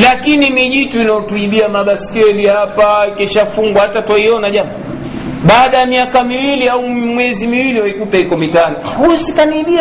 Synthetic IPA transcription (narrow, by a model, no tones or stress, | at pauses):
lakinimiʄituinaɔtuiɓiamaɓasi̥kɛlihapaikiʃafuŋɡwahatatwaiɔnaʄamɔ | ɓaːɗajamiakamiwiliaumwɛzimiwiliwaikutahikɔmitanɔ | husikaniiɓia